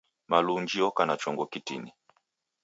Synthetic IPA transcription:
maluɲd͡ʒiɔkanat͡ʃɔŋɡɔkitḭni

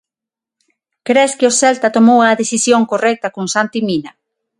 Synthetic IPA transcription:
kɾeskɪosɛlt̪at̪omowaðesisjoŋkorɛk̚t̪akõnsant̪imina

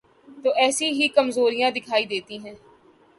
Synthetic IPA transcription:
t̪oːʔɛːsiɦikɐmzoːɾijãd̪ɪkʰaːid̪eːt̪iɦɛ̃ː

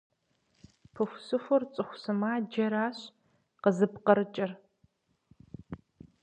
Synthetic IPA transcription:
pʰɨxʷsɨfʷʊrt͡sʼɨxʷsɨmaːd͡ʒɐɾaːɕ | qəzɨpqɐɾɨt͡ʃʼɪr

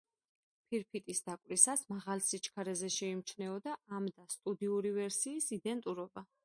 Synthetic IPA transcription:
pʰiɾpʰit̪ʼisd̪̥akʼwɾisasmaʁalsit͡ʃʰkʰaɾɛzɛʃɛimt͡ʃʰnɛɔd̪aamd̪ast̪ʼud̪iuɾivɛɾsiːsid̪ɛnt̪ʼuɾɔba

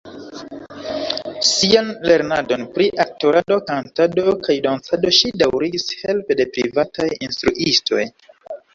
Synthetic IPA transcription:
sianle̞ɾnado̞npɾiʔak̚toɾado̞kantado̞kajdansado̞ʃidawɾiɡishe̞lpe̞de̞pɾivatajinstɾuʔisto̞̰j

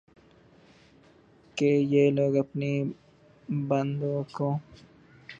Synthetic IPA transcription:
kejeloɡapni | band̪oko

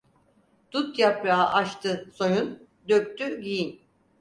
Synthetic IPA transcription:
d̪̥ut̪japɾaaʔaʃt̪ʰɯsojun | d̪øp̚t̪ʰyɟijin

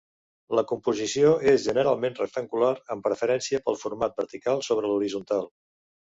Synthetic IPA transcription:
ləkumpuzisioezʒənəɾalˠmenrə̰k̚t̪əŋɡulaɾəmpɾəfəɾɛnsiəpəlˠfuɾmat̪̚bəɾt̪ikalˠsoβ̞ɾəluɾizunt̪alˠ

